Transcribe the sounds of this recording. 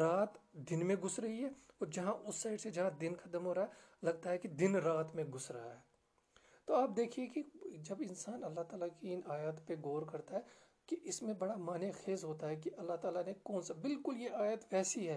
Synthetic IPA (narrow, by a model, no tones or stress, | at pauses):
ɾaːt̪d̪ɪnmẽɡʊsɾɐɦiɦɛːɔːɾd͡ʒɐɦãʔʊsːaɪɖsed͡ʒɐɦãd̪ɪnkʰɐd̪əmɦoːɾaɦɛlɐɡ̚t̪aɦɛkid̪ɪnɾaːt̪mẽɡʊsɾɐaɦɛː | t̪oaːp̚d̪eːkʰiekid͡ʒɐbɪ̃nsaːnɐlːaɦt̪aːlakiɪnaːjaːt̪peɡoːɾkɐɾt̪aɦɛː | kiʔɪsmẽbɐɽamaːnexeːzɦoːt̪aɦɛkiʔɐlːaɦt̪aːlanekɔːnsabɪlkʊljeʔaːjət̪ʋɛːsiɦɛː